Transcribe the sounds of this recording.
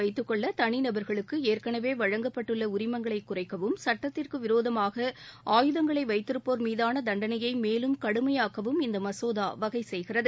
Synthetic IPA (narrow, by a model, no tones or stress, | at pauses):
ɐɪt̪ːɯkːɔɭːɐt̪ɐɳɪnɐbɐɾɣɐɭɯkːɯeːrkɐɳɐʋeːʋɐɻɐŋɡɐpːɐʈːɯɭːɐʊɾɪmɐŋɡɐɭɐɪkːʊrɐɪkːɐʋɯmsɐʈːɐt̪ːɪrkɯʋɪɾoːðɐmaːɣɐʔaːjɯðɐŋɡɐɭɐɪʋɐɪt̪ːɪrɯpːoːɾmiːðaːnɐd̪ɐɳɖɐnɐjɐɪmeːlɯmkɐɽɯmɐjaːkɐʋɯmɪnd̪ɐmɐsoːðaːʋɐɣɐɪsɛjɣɪrɐðɯ